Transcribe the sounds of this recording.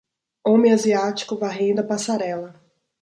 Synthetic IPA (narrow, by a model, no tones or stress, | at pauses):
õmẽaziat͡ʃi̥kʊvaɦẽd̪ɐpasaɾɛlɐ